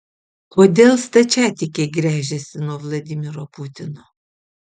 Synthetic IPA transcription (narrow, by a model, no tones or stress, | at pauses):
koːd̪ʲeːlˠst̪ɐt͡ʃʲæːt̪ʲɪkʲeɡɾʲæːʒʲɛsʲɪnuɔʋlˠɐd̪ʲɪmʲɪɾopʊt̪ʲɪnoː